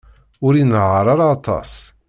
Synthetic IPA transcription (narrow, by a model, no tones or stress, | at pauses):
ʊɾinʁəɾˤaɾaːt̪ˤɑ̰s